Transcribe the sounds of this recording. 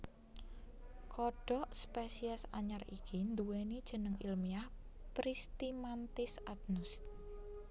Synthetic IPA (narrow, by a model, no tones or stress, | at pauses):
kɔɖ̥ɔ̤ʔspesiɛsaɲarikʰind̪uwenid̥ʒ̥ə̤nəŋḭlmiah | pɾist̪imant̪ɪsat̪̚nʊs